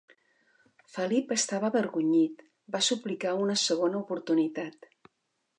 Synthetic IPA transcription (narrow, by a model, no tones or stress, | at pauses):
fəlipəst̪aβəːβəɾɣuɲit̪ | basuplikaunəsəɣ̞onəupuɾt̪unit̪at̪